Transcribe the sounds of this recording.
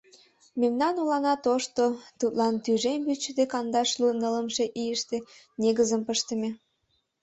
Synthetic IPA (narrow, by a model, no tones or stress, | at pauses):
memnɑnolɑnɑt̪oʃt̪ot̪ut̪lɑnt̪yʒembyt͡ɕːəd̪ekɑnd̪ɑʃlunələmʃeʔijəʃt̪e | neɣəzəmpəʃt̪ə̆me